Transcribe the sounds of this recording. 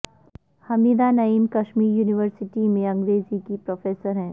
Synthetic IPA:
hɐmiːd̪anɐiːmkɐʃmiːɾjuːniʋəɾsɪʈimẽɐ̃ŋɡɾeːzikipɾoːfeːsəɾɦɛ̃ː

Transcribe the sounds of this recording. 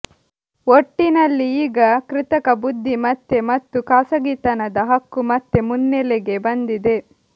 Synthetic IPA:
oʈːinɐlːiiːɡɐkɾɪt̪ɐkɐbud̪ʱːimɐt̪ːemɐt̪ːukaːsɐɡit̪ɐnɐd̪ɐɦɐkːumɐt̪ːemunːɛleɡe̞bɐnd̪id̪e̞

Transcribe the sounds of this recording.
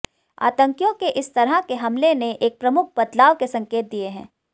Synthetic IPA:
a̰ːt̪ə̃ŋkjõkeʔɪst̪ɐɾəɦkeɦɐmleneʔeːk̚pɾɐmʊk̚ʰbɐt̪laːʋkesɐ̃ŋkeːt̪̚d̪ieɦɛ̰̃ː

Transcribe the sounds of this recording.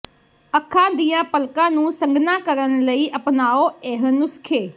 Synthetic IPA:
əkʰːãːd̪ijãːpəlkãːnũːsə̃ŋɡnãːkəɾənləiːʔəpnaːoːeɦənʊskʰeː

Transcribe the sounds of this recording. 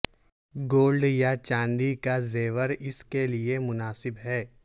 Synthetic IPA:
ɡoːlɖjat͡ʃãːnd̪ikazeːʋəɾɪskeliemʊnaːsɪbɦɛː

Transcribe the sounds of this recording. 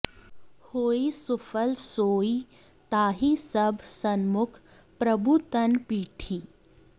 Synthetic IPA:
hoːisufəlsoːi | t̪aːɦisɐbʱsɐnmʊkʰ | pɾɐbʱut̪ɐnpiːʈʰiː

